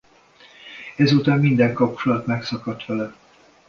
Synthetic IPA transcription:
ɛzuːt̪aːmmind̪ɛŋkɒp̚t͡ʃolɒt̪mɛksɒkɒt̪ʋɛlɛ

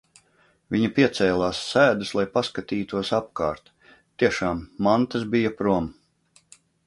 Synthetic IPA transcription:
viɲɐpiɛt̪sɛːlˠaːsːæːd̪uslˠajpaskat̪iːt̪uɔsapkaːɾt̪ | t̪ːiɛʃaːmːant̪asbijapɾuɔm

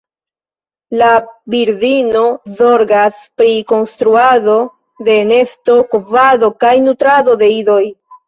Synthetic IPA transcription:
labiɾdino̞zo̞ɾɡaspɾiko̞nstɾuado̞ | de̞ne̞sto̞kovado̞kajnutɾado̞de̞ido̞j

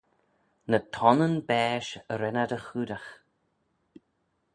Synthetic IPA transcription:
nət̪ʰɔnənbɛːʃəɾɛnadəxuːdax

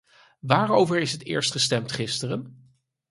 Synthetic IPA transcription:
ʋaːɹowvəɹɪsɦətɪ̰ːɹstχəstɛmtχɪstərən

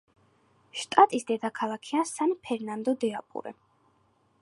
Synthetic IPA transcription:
ʃt̪ʼat̪ʼisd̪ɛd̪akʰalˠakʰiasanpʰɛɾnand̪ɔd̪ɛapʼṵɾɛ̰

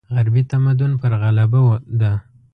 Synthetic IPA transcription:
ɣaɾbit̪amad̪ʊnpəɾɣalabawd̪a

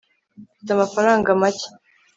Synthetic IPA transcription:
fitamafaɾaːŋɡamace̥

